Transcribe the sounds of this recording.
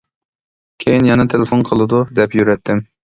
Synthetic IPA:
kʲʰejinjɑnɨt̪ʰelɪfonqʰəlˠɨd̪ud̪ɛpjyɾɛt̪ʰːɪm

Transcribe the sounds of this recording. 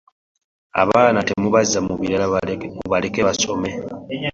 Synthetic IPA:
a̰βaːnate̞muβazːamuβiɾalmuβalekeβaso̞me̞

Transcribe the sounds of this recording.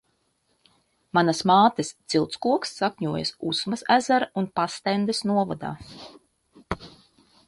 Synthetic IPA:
manasmaːt̪ist̪silˠt̪skuɔksːakʲɲuɔjɐ̰susmasæzaɾaunpast̪ɛnd̪ɛsnuɔvɔd̪a̰ː

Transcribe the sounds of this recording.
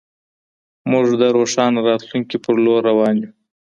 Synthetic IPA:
mʊʐd̪əɾoʂɑnɾɑt̪luŋkipəɾloɾawɑnju

